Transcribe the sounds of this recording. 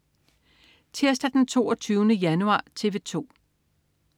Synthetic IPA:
t͡sʰiɐsd̥æd̥ent͡sʰo̝̰ːɒt͡sʰyːʊnəjænuɑ̰̈ːt͡sʰe̝ʋe̝t͡sʰo̝̰ː

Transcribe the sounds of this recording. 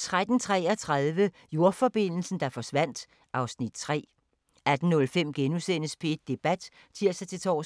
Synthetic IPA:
t͡sʰʁad̥n̩t͡sʰʁɛ̰ːɐt͡sʰʁaðˠʋə | jo̝ɐfɒ̽b̥e̝n̰l̩sn̩d̥ɑ̈fɒ̽sʋæn̰d̥ | ʔɑ̈ʊsnid̥t͡sʰʁɛ̰ː | æd̥n̩nɔ̽lfem̰ɡ̥enusenəspʰeed̥̚ːe̝b̥æd̥ | t͡sʰiɐ̰sɑɪt͡sʰe̝t͡sʰɒ̰ː

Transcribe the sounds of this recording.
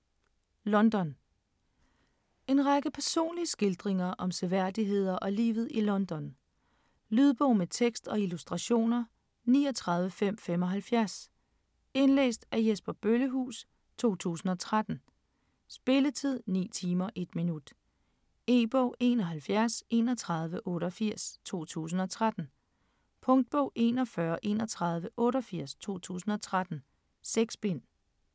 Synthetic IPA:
lɒ̽nd̥ɒ̽n | e̝nʁäɡ̥əpʰæɐso̝̰ːnliəsɡ̥e̝ld̥ʁeŋɐʔɒ̽mseʋæɐ̰d̥iɦe̝ð̞̰ˠɐʔɒ̽lḭːʊð̩ˠilɒ̽nd̥ɒ̽n | lyð̞ˠb̥ɔʊ̰met͡sʰeɡ̥sd̥ɒ̽ilusd̥ʁɑ̈ɕo̝̰ːnɐ | niːɒt͡sʰʁɑ̈ð̞ˠʋəfem̰fem̰ɒ̽ɦælfjæɐs | e̝nlḛːsd̥æɐjesb̥ɐb̥øləɦṵːs | t͡sʰo̝̰ːt͡sʰṵːsn̩ɒ̽t͡sʰʁad̥n̩ | sb̥e̝lət͡sʰið̞̰ˠnḭːt͡sʰiːmɐʔe̝d̥minud̥ | e̝ːb̥ɔʊ̰e̝ːnɒ̽ɦælfjæɐse̝̰nɒ̽t͡sʰʁɑ̈ð̞ˠʋəʔɔ̽ːɾɐfiɐ̰st͡sʰo̝̰ːt͡sʰṵːs̬n̩ɒ̽t͡sʰʁad̥n̩ | pʰɔ̽ŋd̥̚b̥ɔʊ̰ʔe̝̰ːnɒ̽fɶɐʔe̝nɒ̽t͡sʰʁɑ̈ð̞ˠʋəʔɔ̽ːɾɐfiɐ̰st͡sʰo̝̰ːt͡sʰṵːsn̩ɒ̽t͡sʰʁad̥n̩ | seɡ̥sb̥e̝n̰

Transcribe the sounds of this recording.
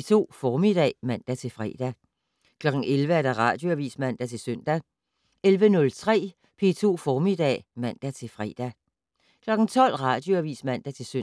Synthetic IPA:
t͡sʰo̝̰ːfɒːmid̥ɛ̰ːmæn̰d̥æt͡sʰe̝lfʁɛ̰d̥æ | kʰlɒ̽ɡ̥ŋ̩elʋəæɐd̥æʁɑ̈ːd̥jo̝æʋḭːsmæn̰d̥æt͡sʰe̝lsœn̰d̥æ | elʋənɔ̽lt͡sʰʁɛ̰ː | pʰe̝̰t͡sʰo̝̰ːfɒːmid̥ɛ̰ːmæn̰d̥æt͡sʰe̝fʁɛ̰ːd̥æ | kʰlɒ̽ɡ̥n̩t͡sʰɒ̽l̰ʁɑ̈ːd̥jo̝æʋḭːsmæn̰d̥æt͡sʰe̝sø

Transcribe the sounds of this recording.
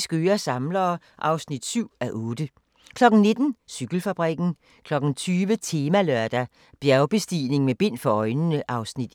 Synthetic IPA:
sɡ̥øːɐsɑ̈mlɐː | ʔɑ̈ʊsnid̥syʊ̰æʔɔ̽ːd̥ə | kʰlɒ̽ɡ̥n̩ne̝d̥n̩syɡ̥l̩fæb̥ʁɛɡ̥n̩ | kʰlɒ̽ɡ̥n̩t͡sʰyːʋət͡sʰe̝ːmælœɐd̥æ | b̥jæɐʊb̥e̝sd̥iːne̝ŋmeb̥e̝n̰fɒ̽ɒ̽ɪnənəʔɑ̈ʊsnid̥

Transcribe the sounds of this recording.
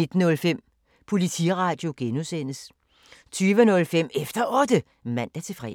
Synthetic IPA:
e̝d̥n̩ɔ̽lfem̰ | pʰo̝lit͡sʰḭʁɑ̈ːd̥jo̝ɡ̥enusen̰əs | t͡sʰyːʋənɔ̽lfem̰efd̥ɐʔɒ̽d̥ə | mæn̰d̥æɐt͡sʰe̝fʁɛ

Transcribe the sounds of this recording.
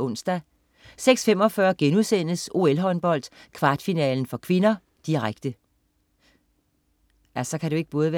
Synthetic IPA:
ɔ̽n̰sd̥æ | seɡ̥sfem̰ɒ̽fɶɐɡ̥enuðˠsen̰əso̝elɦɒ̽nb̥ɒ̽l̰d̥kʰʋɑ̈ːd̥finɛ̰ːln̩fɒ̽kʰʋe̝nɐ | d̥iʁaɡ̥̚d̥ə | æsɒ̽kʰæd̥eoe̝ɡ̥əb̥ɔ̽ːð̞̩ˠʋæ

